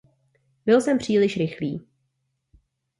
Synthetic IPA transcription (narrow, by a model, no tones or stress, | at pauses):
bɪlsɛmpr̝̥iːlɪʃɾɪxliː